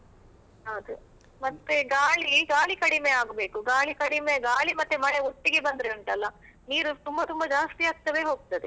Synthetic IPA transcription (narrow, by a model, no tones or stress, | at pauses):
ɦɐwd̪u | mɐt̪ːeɡaːɭiɡaːɭikɐɽime̞aːɡbe̞ːkuɡaːɭikɐɽimeɡaːɭimɐt̪ːemɐɭeoʈːiɡe̞bɐnd̪ɾeɐɳʈɐlːɐniːɾut̪umbɐt̪umbɐd͡ʒaːst̪iaːɡ̚t̪ɐʋe̞ːɦo̞ːɡ̚t̪ɐd̪e